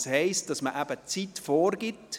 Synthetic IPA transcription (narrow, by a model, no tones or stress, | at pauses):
shɛɪst̚d̥ɑsməʔæb̥ət͡sitfoːɾɡɪt